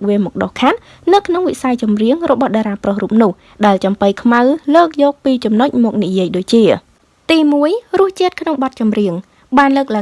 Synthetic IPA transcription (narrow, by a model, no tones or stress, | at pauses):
ʋiəmɔk̚ɗohkʰat̪̚ | nɨwkʰnoŋʋiʔsajt͡ɕɑmriəŋrɔɓɑhɗaɾaːprohruːp̚nʊ̆əh | ɗaɛlt͡ɕɑmpɨjkʰmawləːk̚jɔːk̚piːt͡ɕɑmnoc̚mɔːk̚nijiəjɗoːc̚t͡ɕiə | t̪iːmuəjrʊ̆əht͡ɕiət̪̚kʰnoŋɓɑt̪̚t͡ɕɑmriəŋ | ɓaːnləːk̚la